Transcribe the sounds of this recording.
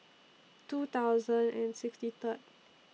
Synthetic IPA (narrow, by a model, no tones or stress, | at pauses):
tut̪awzə̃ndɛ̃nsɪkstit̪ət̚